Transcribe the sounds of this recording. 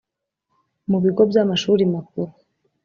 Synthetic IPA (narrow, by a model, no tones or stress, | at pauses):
muβiɡo̞bjamaʃuːɾimak̚uɾu